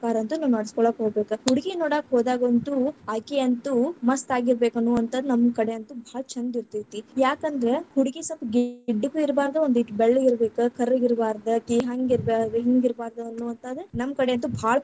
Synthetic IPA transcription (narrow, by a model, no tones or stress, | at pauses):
kaːɾɐɐnt̪unɐːʋnɐɽiskɔɭoːkɦoːɡbeːkuhuɽiɡinɔːɽaːkɦoːd̪aːɡʋɐnt̪uaːkeɐnt̪umɐst̪aːɡiɾbeːkɐnːuːʋɐnt̪ɐd̪nɐmːkɐɽeɐnt̪ubʱaːɭɐt͡ʃʰɐnd̪iɾt̪iɾt̪ijaːkɐnd̪ɾehuɽiɡisɐpɡiiɖːukːuiɾbaːɾd̪uond̪uiʈːbeɭːiɾbeːkukʰɐɾɡiɾbaːɾd̪ɐʈ̪iːɦaːŋɡiɾbeeɦiŋɡiɾbaːɾd̪uɐnːuʋɐnt̪ʰɐd̪unɐmːkɐɽeɐnt̪ubʱaːɭɐ